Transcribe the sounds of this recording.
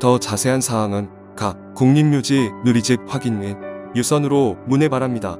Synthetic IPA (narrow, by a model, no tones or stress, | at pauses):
tʌt͡ɕasʰe̞ɦansʰaːŋɯn | ka | koŋɲimmjud͡ʑinuɾid͡ʑip̚ɸwaɡinminjusʰʌnɯɾomune̞paɾamɲida